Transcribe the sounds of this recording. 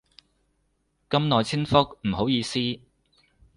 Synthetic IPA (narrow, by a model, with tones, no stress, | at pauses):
kɐ˥mnɔː˨jt͡sʰi˥ŋfʊ˥k̚m̩˨˩ho˨˥wjiː˨˧siː˥